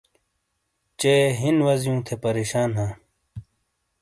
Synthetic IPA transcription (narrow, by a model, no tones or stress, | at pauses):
t͡ɕeːɦinwɐzjũːt̪ʰepɐɾeːɕaːnɦãː